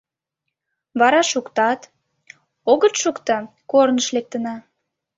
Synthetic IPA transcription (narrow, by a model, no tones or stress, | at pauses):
βɑɾɑʃukt̪ɑt̪ | oɣət̪ʃukt̪ə | kornəʃlek̚t̪ənɑ